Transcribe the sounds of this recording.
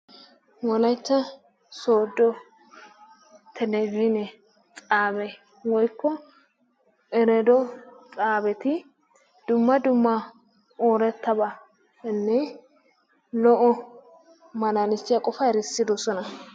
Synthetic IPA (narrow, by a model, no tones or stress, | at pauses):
wɔlɐjt͡ʃːɐ | soːd̪ːɔ | t̪ʰɛnɛvɪnɛ | t͡sʼaːbɛ | wɔjkːɔ | ɛɾɛd̪ɔt͡sʼaːbɛt̪ɪ | d̪̥ʊmːɐd̪ʊmːɐ | oːɾɛt̪ːɐbɐ | nːɛ | lɔʔɔ | mɐnanɪsːɪjɐkʼɔfɐɾɛsːɪd̪ɔsɔnɐ